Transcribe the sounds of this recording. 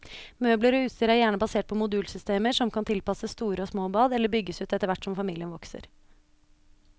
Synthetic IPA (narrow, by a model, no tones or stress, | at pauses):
møːbləɾɔʉːt̪st̪iɾæɾjæːɳəbɑseːʈ̚pʰɔmʊd̪ʉːlsʏst̪eːməʂɔmkʰɑnt̪ʰɪlpɑsəst̪uːɾəɔsmoːbɑːd̪ɛlːəɾbʏɡːəsʉːt̪ɛt̪əɾʋæʈːsɔmfɑmiːlɪənʋɔksə̰ɾ